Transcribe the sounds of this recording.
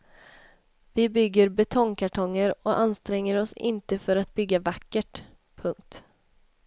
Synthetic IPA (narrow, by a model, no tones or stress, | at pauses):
vɪbʏɡːəɾbɛt̪ʰɔŋkʰaʈʰɔŋːəɾɔʔanst̪ɾɛŋːəɾɔsɪ̰nt̪əfœɾat̪̚bʏɡːavakːəʈ | pʰɵŋk̚t̪